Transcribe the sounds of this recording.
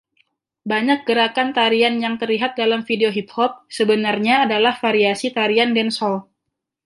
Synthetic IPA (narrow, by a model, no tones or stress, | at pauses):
baɲak̚ɡ̥əɾakant̪aɾianjaŋt̪ərliɦat̪̚dalamfideoɦip̚hɔp̚səbənarɲaːdalahfaɾiasit̪aɾiandɛnsɔl